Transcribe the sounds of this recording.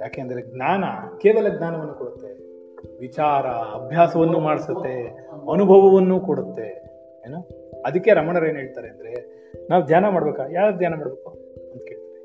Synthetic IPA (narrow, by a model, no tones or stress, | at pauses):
jaːke̞ːɐnd̪ɐɾeɡnaːnɐ̰keːʋɐlɐɡnaːnɐʋɐnːukoɽut̪ːe̞ | ʋit͡ʃaːɾɐɐbʱjaːsɐʋɐnːumaːɽisɐt̪ːe̞ɐnubʱɐʋɐʋɐnːuːkoɽut̪ːe̞ | eːno | ɐd̪ikːe̞ɾɐmɐɳɐɾeːnɦeɭt̪aːɾeɐnd̪ɐɾe̞ | naːʋd̪ʱjaːnɐmaːɽɐbeːkajaːɾd̪ʱjaːnɐmaːɽbeːku | ɐnt̪ke̞ːɭt̪aːɾe